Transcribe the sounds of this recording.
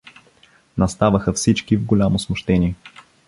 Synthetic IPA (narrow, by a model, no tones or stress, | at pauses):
nɐst̪avəxəfsit͡ʃkivɡʊlʲamosmʊʃt̪ɛniɛ